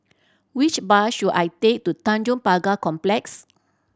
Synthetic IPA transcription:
wit͡ʃbaʃudajtek̚tutãnd͡ʒɔ̃mpaɡakɔ̃mplɛks

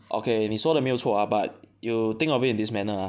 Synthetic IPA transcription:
ʔo̰kʰeɛ̃nhisɔdəmiltʰoabat̚jut̪ɪ̃ŋɔvitĩndismɛnəa

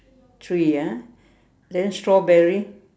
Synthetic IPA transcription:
tʰɹija | dɛ̃nstɹɔbɛɹi

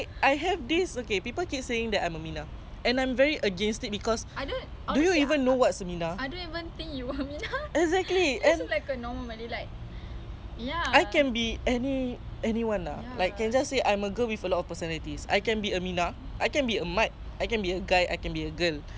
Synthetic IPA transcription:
akajɦɛvdisokepipəlkit̚seɪ̃ŋdɛtãjməmĩna | ɛ̃nãjmvɛɹiʔəɡɛ̃nstit̚bikɔsadon | dujuivə̃nːowɔtsəmĩnaadõnivə̃nt̪ĩŋkjuəminaɛkzɛk̚tliɛ̃nlajkənɔməməlilaɪk̚ | jaajkɛ̃nbiɛniɛniwãna̰lajkːɛ̃nd͡ʒasːeʔãj̃məɡəwifəlɔtɔfpəsənɛlitisa̰jkɛ̃nbiəmĩna | ʔajkɛ̃nbiəmat̚ajkɛ̃nbiəɡajʔa̰jkɛ̃nbiəɡəl

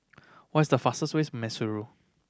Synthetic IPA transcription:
wɔɪsdəfastəswesmɛsuɹu

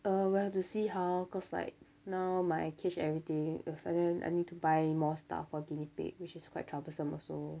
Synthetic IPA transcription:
ʔəwihɛftusiɦaʊkɔsla̰ɪk̚ | naʊmaɪkʰɛt͡ʃɛvɹit̪ɪ̃ŋəfãdɛ̃nʔa̰ɪnid̚tubaɪmɔsta̰fɔɡinipḛk̚wɪt͡ʃɪskʰwaɪtʰɹabəlsə̃mɔ̰so

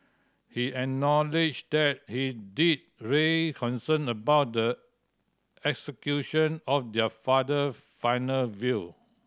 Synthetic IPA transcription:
hiɛk̚nɔlid͡ʒdɛt̚hidid̚ɹilkʰɔ̃nsə̃nəbaʊt̚də | ɛksəkjuʃɔ̃nɔfdɛfadə | fãɪnəlvi

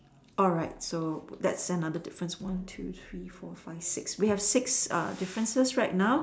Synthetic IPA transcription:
ʔɔlɹaɪt̚sod̪ɛ̰tsənadədɪfɹə̃nswãntʰṵθʰɹifɔfaɪv̥sɪkswihɛv̥sɪksʌ̰dɪfɹə̃nsəsɹaɪt̚naʊ

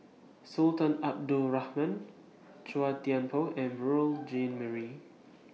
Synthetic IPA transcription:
sultãnap̚dulɹahmãn | t͡ʃuatiãnpʰoʔɛ̃nɹuld͡ʒẽnməɹi

